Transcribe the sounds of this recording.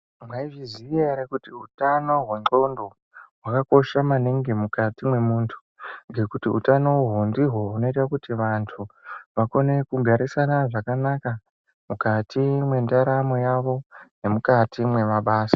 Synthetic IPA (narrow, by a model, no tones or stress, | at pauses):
mwaiʐizieɾekutiutano̞ɦwe̞ŋ͡ǃo̞ndo̞ | ɦwakako̞ʃamaniŋɡe̞mukatimwe̞muːntʰu̥ŋɡe̞kutiṵtano̞woɦondiɦwo̞uno̞itakutiʋantʰuʋako̞ne̞kuɡʱaɾisanaʐakanaka | mukatimwe̞ndaɾamo̞jaʋo̞ne̞mukatimwe̞maɓaːsḁ